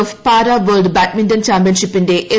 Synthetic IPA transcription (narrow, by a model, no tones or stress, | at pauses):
ɐfpaːɾaːʋɐːɾlɖbaːʈminʈɐnt͡ʃaːmb̬jɐnʃipːind̪eʔe